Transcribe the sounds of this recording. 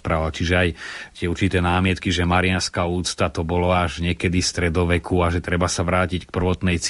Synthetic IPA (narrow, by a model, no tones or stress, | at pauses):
pɾaʋalt͡ʃiʒɛajt̪ɪɛuɾt͡ʃit̪ɛːnaːmɪɛt̪kiʒɛmaɾɪanskauːt͡st̪at̪ɔbɔlɔaʒɲɛkɛd̪ifst̪ɾɛd̪ɔʋɛkʰuaʒɛt̪ɾɛbasaʋɾaːcick̚pr̩ʋɔt̪nɛjt͡s